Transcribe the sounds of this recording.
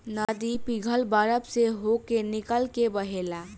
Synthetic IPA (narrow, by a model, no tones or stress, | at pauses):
nad̪ipiɡʱəlbaɾəbseɦokenikəlkebəɦela